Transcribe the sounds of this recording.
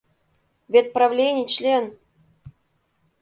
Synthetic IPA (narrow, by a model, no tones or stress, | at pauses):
vʲet̪̚pɾavlʲenʲɪjt͡ɕlʲen